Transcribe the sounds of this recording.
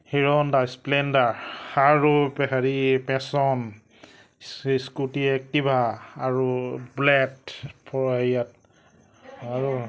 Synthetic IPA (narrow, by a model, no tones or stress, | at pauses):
hiɹɔndasplɛndaɹhaɹupɛɦaɹipɛ̃sɔn | sskutiɛk̚tibʱaːɹublɛtpʰɔɹhajat̚ | aɹu